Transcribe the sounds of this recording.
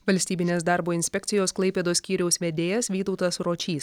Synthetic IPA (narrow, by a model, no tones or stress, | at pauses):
ʋɐlʲsʲt̪ʲiːbʲɪnʲeːsd̪ɑˑɾboːɪnʲsʲpʲɛk̚ʲt̪sʲɪjoːsklˠɐɪpʲeːd̪oːsʲkʲiːɾʲɛʊsʋʲɛd̪ʲeːjɛsʋʲiːt̪ɒʊt̪ɐsɾoːt͡ʃʲiːs